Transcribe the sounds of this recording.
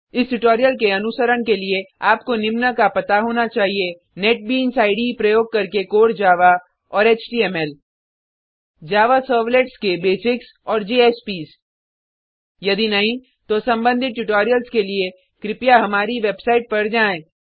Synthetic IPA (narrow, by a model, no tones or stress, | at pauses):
ɪsʈʊʈoːɾijəlkeɐnʊsəɾəɽkelieaːpkonɪmnəkapɐt̪aɦoːnat͡ʃaːɦie | neːʈ̚biːnsaːɪɖipɾɐjoːɡ̚kɐɾkekoːɽd͡ʒaːʋa | ɔːɾeːt͡ʃʈiːɛːmɛl | d͡ʒaːʋasəːɾʋleʈskebeːsɪks | ɔːɾd͡ʒeːeːspiːs | jɐd̪inɐɦĩ | t̪osɐ̃mbə̃nd̪ʱɪt̪̚ʈʊʈoːɾijəlskelie | kɾɪpjaɦɐmaːɾiʋeːbsaːɪʈ̚pɐɾd͡ʒaːẽː